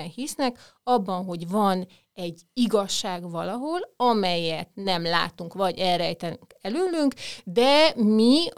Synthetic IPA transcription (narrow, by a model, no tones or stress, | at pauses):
ɛnhisnɛk | ɒbːɒnɦo̞ɟvɒn | ɛɟːiɡɒʃːaːɡʋɒlɒɦo̞lɒmɛjɛt̪nɛmla̰ːt̪uŋkʋɒɟɛlrɛjt̪ɛnyŋkɛløːlːyŋkd̪ɛmi